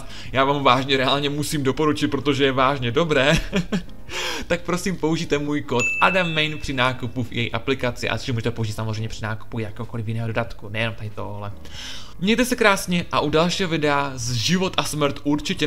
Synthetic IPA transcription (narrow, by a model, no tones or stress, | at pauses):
jaːvaːmvaːʒɲɛɾɛaːlɲɛmusiːmdo̞po̞ɾut͡ʃɪt̪̚pɾo̞t̪o̞ʒɛjɛvaːʒɲɛdo̞bɾɛː | t̪ak̚pɾo̞siːmpo̞uʒiːt̪ɛmuːjko̞t̪ʔadamːɛjnpr̥ɪnaːkupufjɛ̰jiʔa̰plɪkat͡sɪ̰ʔa̰so̥ʒɛmuːʒɛt̪ɛpo̞uʒiːt̪samozreɛjmɲɛpr̥ɪnaːku̥pujakɛːɦoko̞lɪfjɪnɛːɦdodat̪kunɛjɛnomt̪adɪt̪ooɦlɛ | mɲɛjt̪ɛsɛkɾaːsɲɛʔaʔudalʃiːɦovɪdɛazʒɪvo̞t̪ʔasmɾ̩t̪ʔuɾt͡ʃɪcɛ